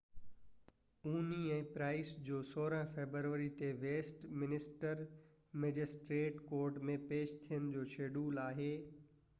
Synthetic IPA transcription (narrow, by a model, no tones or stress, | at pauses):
uːniɛ̃ːpɾaːɪsd͡ʑoːsoːɾə̃ɦfeːbəɾʋəɾit̪eʋeːsʈmɪnɪsʈəɾ | meːd͡ʑɪsʈɾeːʈkoːɾʈmẽpeːʃt̪ʰijənɪd͡ʑoːʃeːɖuːlaːɦeː